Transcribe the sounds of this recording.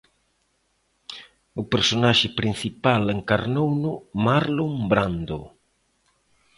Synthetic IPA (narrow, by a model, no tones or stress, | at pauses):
ʊpeɾsonaʃɪpɾin̟θipaleŋkaɾnownʊmaɾlombɾand̪ʊ